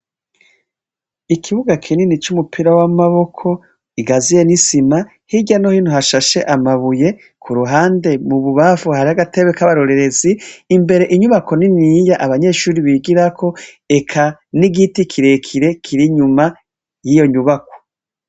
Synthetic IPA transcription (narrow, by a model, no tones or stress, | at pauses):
ikʰiβuɡakʰininit͡ʃumupʰiɾawamaβo̞kʰo̞ | iɡazije̞nisima | hiɟano̞hiːn̥huɦaʃaʃe̞ʔamaβuje̞ | kʰuɾuɦaːnde̞muβuβafuhaɾihaɡate̞βekaβaɾo̞ɾe̞ɾe̞ziːmbe̞ɾe̞ʔiɲuβako̞ninijaʔaβaɲe̞ʃuːɾiβiɡiɾakʰo̞ | e̞kʰaniɡitikʰiɾe̞kʰiɾe̞kʰiɾiɲuma | jijo̞ɲuβako̥